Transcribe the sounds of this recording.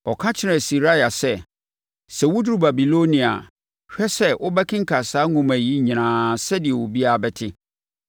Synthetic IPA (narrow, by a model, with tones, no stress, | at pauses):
ɔ˨kʰã˦t͡ɕʰɪ˦ɾɛ̃˨si˨ɾa˦ja˨sɛ˦ | sɛ˨wʊ˦du˦ɾu˦˨ba˨bi˨lo˦nĩ˨a̰˨ | ɕᶣɛ˦sɛ˦ʔʊ˦bɛ˦kʰɪ̃˦ŋ̩˦kʰa˨saː˦ŋʊ̃˦mæ˨ji˦ɲ̃˨ñãː˨sɛ˦dɪ˨ɛ˨wʊ˨bi˦a˦˨bɛ˨tʰɪ˦